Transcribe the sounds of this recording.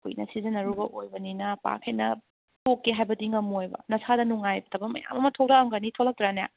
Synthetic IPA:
kṵjnɐ̰sizɐnːɐɾubɐʔojbɐninɐpa̰kʰejnɐ | tokːeɦajbɐdiŋɐmojbɐ̰nɐsadɐnuŋajbɐtʰɐbɐmɐ̰ja̰mɐmɐtʰowɾaɐmɡɐnitʰolɐk̚tɾanja̰

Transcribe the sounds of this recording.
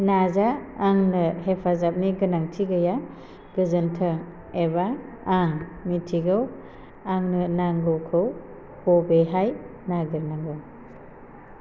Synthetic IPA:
nazaːŋnɯhepʰazap̚niɡɯnaŋtʰiɡɯja | ɡ̥ɯzɯntʰə | eba | aŋmitʰiɡɯw | aŋnɯnaŋɡɯwkʰɯw | hobeɦajnaɡiɾnaŋɡɯw

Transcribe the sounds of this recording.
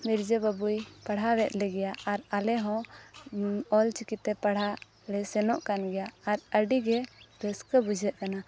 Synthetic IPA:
miɾd͡ʒəbəbujpaɽ̤ɦawɛt̪̚lɛɡɛjaʔaɾalɛɦɔ̃ | ɔlt͡ʃikit̪ːɛpaɽ̤a | lɛsɛnɔʔkanɡɛjaːɾəɖiɡɛb̪ɛskəbud͡ʒʱɛʔ̪̚kana

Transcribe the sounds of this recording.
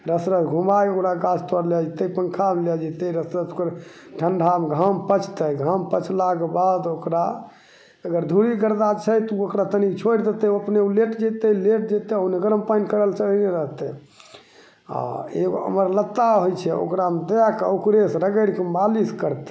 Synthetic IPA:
ɾəsɾət͡ʃɡʱumbajokɾaɡat͡ʃʰt̪əɾlɛd͡ʒt̪əpəŋkʰamlɛd͡ʒet̪əɾəsɾət͡ʃ̪okəɾʈʰəɳɖʱamɡʱampət͡ʃʰt̪əɡʱampət͡ʃʰlaɡebad̪okɾa | əɡəɾd̪ʱuɾiɡəɾd̪at͡ʃʰəjt̪uokɾat̪ənikt͡ʃʰoɾd̪et̪ɛəpneuleʈd͡ʒɛt̪ɛleʈ̚d͡ʒet̪ɛəneɡəɾəmpajnkəɾəlt͡ʃəlneɾəɦt̪ɛ | a̰eɡoə̰məɾlət̪ːaɦojt͡ʃʰɛo̰kɾamd̪əjakeukɾesɾəɡəɽkemaliskəɾt̪

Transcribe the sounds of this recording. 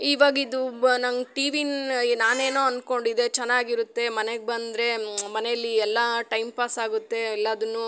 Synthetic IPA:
iːʋaːɡid̪unɐŋɡʈiːʋinnaːne̞ːnoːɐnko̞ɳɖid̪e̞t͡ʃɛnːaːɡiɾut̪ːe̞mɐneɡ̚bɐnd̪ɾe̞mɐnejɐlːiɛlːɐʈɐjmpaːsaːɡut̪ːe̞ɛlːɐːd̪ɐnːu

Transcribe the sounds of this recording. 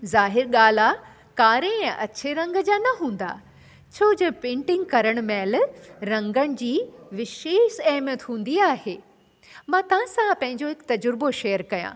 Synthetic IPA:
zaːɦɪɾɠaːl̤a | kaːɾẽʔɐtːɕʰeɾɐ̃ŋɡd͡ʑaːnɐɦũːn̆d̪a̰ | t͡ɕʰoːd͡ʑɐpẽːɳʈɪ̃ŋɡ̚kɐɾəɽ̃mɛ̃ːlɾɐ̃ŋɡəɽ̃ɪ̆d͡ʑiːʋɪʃeːʃɛːmjət̪ɦũːnd̪iaːheː | mãt̪ɐʋ̤ãsãpɐ̃ɦɪ̃ɲd͡ʑoɦɪkt̪ɐd͡ʑʊɾboʃejəɾkɐjã̰

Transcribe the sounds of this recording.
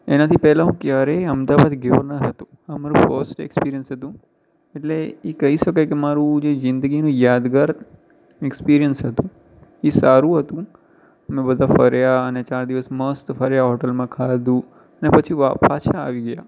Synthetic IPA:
enat̪ʰipɛɦlaɦũkjaɾeəmd̪aʋad̪ɡɪʋəɾnəɾɦət̪ũ | əmaɾũfəɾsʈḛkspiɾijənsɦət̪ũ | eʈleekəɦiʃəkajkemaɾũd͡ʒezɪ̃nd̪əɡinũjad̪ɡaɾ | ekspiɾijənsɦət̪ũ | esaɾũɦət̪ũ | əmẽbəd̪ʱafəɾjaənet͡ʃaɾd̪iʋəsməst̪fəɾjaɦɔʈəlmãkʰad̪ũ | ənepət͡ʃʰiʋapat͡ʃʰaːʋiɡəja

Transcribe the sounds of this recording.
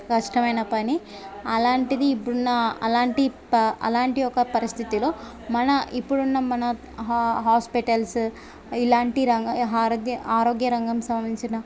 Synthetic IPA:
kɐʂʈɐmɐjnɐpɐni | ɐlaːɳʈid̪iːpːuɽunːɐɐ̰laːɳʈi | ɐ̰laːɳʈiɔkɐpɐɾist̪ʰit̪ilo̞ː | mɐnɐʔipːuɽunːɐmɐnɐ | ɦaːspiʈɐls | ilaːɳʈiɾɐŋɡɐɦaːɾɡjɐaːɾo̞ːɡjɐɾɐŋɡɐmsɐmɐd̪iɲt͡ʃinɐ

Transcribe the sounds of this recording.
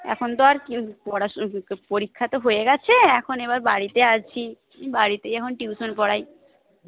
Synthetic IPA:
ɛ̰kʰont̪oaɾkpɔɽapoɾikʰːat̪oɦoeɡɛt͡ɕʰeɛkʰoneβaɾbaɽit̪eaʃt͡ɕʰi | baɽit̪ejɛkʰonʈiuʃonpɔɽaj

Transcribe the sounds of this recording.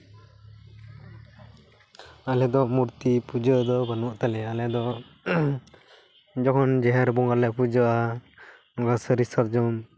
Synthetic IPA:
alɛd̪ɔmuɾt̪ipud͡ʒəd̪ɔbanuʔt̪alɛalɛd̪ɔ | d͡ʒɔkʰɔnd͡ʒɛɦɛɾbɔŋɡaɾlɛpud͡ʒɔʔa | ɔɡasəɾisaɾd͡ʒɔm

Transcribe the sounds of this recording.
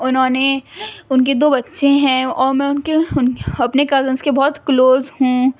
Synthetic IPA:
ʊnɦõːneʊnk̬ed̪oːbɐtːʃẽɦɛ̃ɔːɾmɛ̃ːʊnkeʊnɐpnekaːzə̃nskebɔːt̪kloːzɦũ

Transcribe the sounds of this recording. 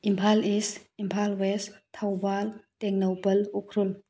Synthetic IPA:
impʰalisimpʰalwestʰawbalteŋnowpɐlukʰɾul

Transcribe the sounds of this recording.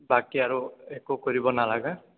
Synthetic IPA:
bakiaɹuekukɔɹibɔnalaɡa

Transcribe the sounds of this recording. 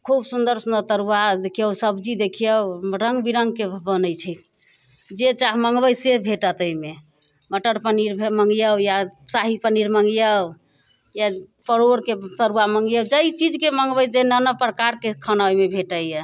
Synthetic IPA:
kʰubsund̪əɾsunət̪əɾuad̪ekʰijəwsəbd͡ʒid̪ekʰijəwɾəŋɡbiɾəŋɡkebənəjt͡ʃʰɛ | d͡ʒet͡ʃaɦməŋɡbəjsebʱeʈət̪əjme | məʈəɾpəniɾbʱməŋɡjəwjasaɦipəniɾməŋɡijəw | japəɾoɾket̪əɾuaməŋɡijəwd͡ʒəit͡ʃid͡ʒkeməŋɡbəjd͡ʒenənəpɾəkaɾkekʰənamebʱeʈəə

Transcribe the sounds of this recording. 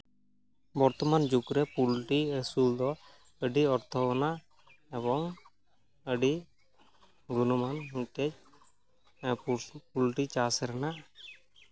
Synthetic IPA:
bɔɾt̪ɔmand͡ʒukɾɛpulʈiəsuld̪ɔ | əɖiɔɾt̪ʰɔɔnaʔ | ɛβɔŋ | əɖi | ɡunɔmanɦuket͡ʃ | pulʈit͡ʃasɾɛnaʔ

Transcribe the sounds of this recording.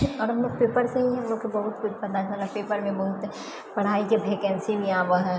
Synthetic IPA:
ɔːɾɦɐmloːɡ̚peːpəɾseɦĩɦɐmlokebɐɦʊt̪̚kʰʊt͡ʃʰbɐt̪aalɐpeːpəɾmẽbɐɦʊt̪ | pɐɽ̤aːikebʱeːkɛ̃nsimẽãʋəɦɛ

